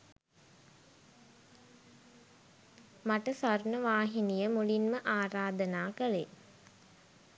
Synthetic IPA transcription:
maʈəsarnəʋaːɦinijəmulinməʔaːɾaːd̪ənaːkəle

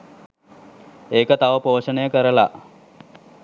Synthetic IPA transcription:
eːkət̪aʋəpoːʂənəjəkəɾəla̰

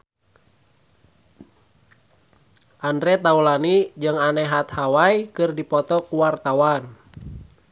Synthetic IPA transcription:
ʔandɾɛt̪aulanid͡ʒɨŋanɛɦat̪hawajkɨrdipɔt̪ɔkuwart̪awan

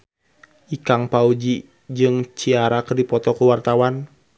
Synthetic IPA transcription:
ʔikaŋpaud͡ʒi | d͡ʒɨŋt͡ʃiaɾakərdipɔt̪ɔkuwart̪awan

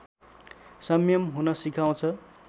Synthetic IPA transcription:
sʌmjʌmɦunʌsikʰaw̃t͡sʰʌ

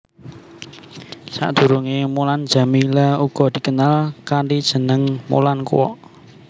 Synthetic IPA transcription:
sa̰ʔd̪̥ṳɾuŋemuland̥d͡ʒ̥a̤milauɡ̥ɔ̤d̪̥i̤kənalkaɳɖid̥ʒ̥ə̤nəŋmo̰lankṵwɔ̰ʔ

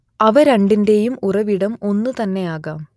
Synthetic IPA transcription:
ɐʋɐɾɐɳɖinde̞jumurɐʋiɽɐmo̞nːut̪ɐnːe̞aːɣaːm

